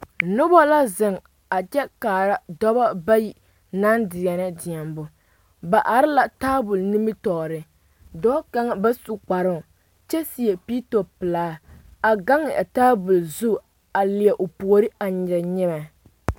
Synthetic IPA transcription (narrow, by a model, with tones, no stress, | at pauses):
nʊ˦bɔ˦la˦zɪ˨ŋ | a˨t͡ʃɛ˦kaː˨ɾa˦dɔ˦ba˦ba˦ji˨ | na˦ndɪ˨jɛ˨nɨ˦dɪ˨ɛ˨mbʊ˨ | ba˨ʔa˨ɾɪ˦la˨taː˦bʊ˨lni˦mɨ˦tɔː˨ɾɪ˨ | dɔː˦ka˦ŋ˦ba˦su˦k͡pa˨ɾɪ˦˨ | t͡ʃɛ˦si˦ɛ˨pi˦to˨pɨ˨laː˦a˨ɡa˦ŋɪ˨ʔa˨taː˦bʊ˨lzu˦ | a˨lɪ˨ɛ˨ʔo˨pu˨o˨ɾɪ˦a˨ɲɛ˨ɾɲɛ˦mɛ˨